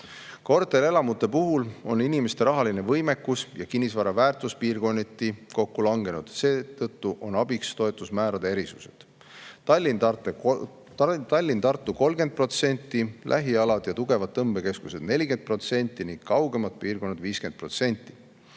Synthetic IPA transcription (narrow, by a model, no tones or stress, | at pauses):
ko̞rt̪ːˑe̞le̞lɑmut̪ːˑe̞puɦulo̞ninimest̪e̞ɾɑɦɑline̞vɤjme̞kːusjɑkinʲːisvɑɾɑvæːrt̪ˑuspiːrɡo̞nʲːit̪ːˑiko̞kːulɑŋɡe̞nud̪̥se̞ːt̪ɤt̪ːuʔo̞nɑbikst̪o̞e̞t̪ːˑusmæːɾɑd̪̥eeɾisuse̞̰d̪̥ | lʲːine | t̪ɑlʲːint̪ɑrt̪ˑːuko̞lɡe̞nd̪̚pro̞t̪se̞nʲt̪ˑːilʔæ̰ɦiɑlɑd̪̥jɑt̪uɡ̥e̞vɑd̪̚ːɤmb̥e̞ke̞skuse̞d̪ne̞lʲiɡe̞nd̪̥̚pro̞t̪se̞nʲt̪ːˑiniŋɡ̥kɑwɡe̞mɑt̪̚piːrɡo̞nːɑd̪viːskend̪̚pro̞t̪se̞nʲt̪ːˑi̥